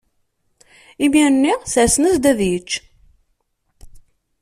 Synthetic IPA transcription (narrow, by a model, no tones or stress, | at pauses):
imiɾənːiʁsʕsnəsd̪ævjət͡ʃː